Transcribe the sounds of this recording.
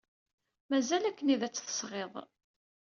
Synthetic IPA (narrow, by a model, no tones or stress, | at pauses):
mæzælækːəniðæt͡sːθə̥sʁeðˤ